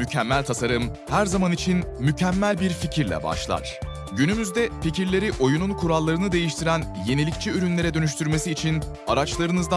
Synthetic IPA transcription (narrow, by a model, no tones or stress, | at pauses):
mycʰɛmːælʲt̪ʰasaɾɯm | hæɾzamanit͡ʃʰinmycʰæmːælʲbiɾficʰiɾlʲɛ̰ba̰ʃlˠa̰ɾ̥ | ɟynymyzd̪ɛficiɾlʲe̞ɾiʔo̞jununkʰuɾalˠːaɾɯnɯd̪e̞jiʃt̪ʰiɾænje̞nilʲict͡ʃʰiyɾynlʲe̞ɾɛd̪ø̞nyʃ̬t̪ʰyɾme̞siːt͡ʃʰin | aɾat͡ʃlˠaɾɯnɯzd̪a